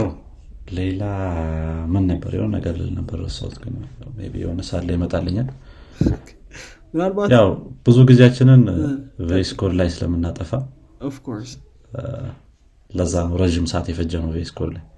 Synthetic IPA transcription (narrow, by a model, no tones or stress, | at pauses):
jaw | le̞la | mɨnːəbːə̰ɾjɛ̰honːə̰ɡəɾlɨ̰lnəbərəsə̰w̰t̪ɡɨnawmḛbḭjɛ̰honəsat̪lajmət̪ʼalːəɲːal | mɨnalbajawb̥ɨzuɡizejat͡ʃːɪnɨnveskʰoɾlajsɨlə̰mːɨnːat̪ʼəfa | ɔvkʰoɾs | ləzːanɾəʒɪmsat̪jɛfəd͡ʒːəməwveskʰoɾlaj